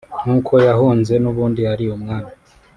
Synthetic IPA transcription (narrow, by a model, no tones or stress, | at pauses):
nuːkʰo̞jahuːnze̞nuβuːndiaɾiumŋaːna